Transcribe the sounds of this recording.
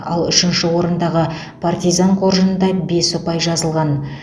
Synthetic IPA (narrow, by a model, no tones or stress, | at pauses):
ɑ̰lˠʏʃɪnʃɪwo̞ɾənd̪ɑʁə | pʰart̪ijzaŋqʰorʒənənd̪ɑbe̞sʊpɑjʒɑzəlˠʁɑn